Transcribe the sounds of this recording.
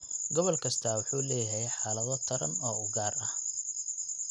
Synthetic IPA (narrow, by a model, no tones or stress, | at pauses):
ɡɔβɔlkʰɐst̪ʰɐwʊħuːlɛːjɦɛjħaːlɐðɔt̪ʰɐɾɐnɔːʊɡaːrɐh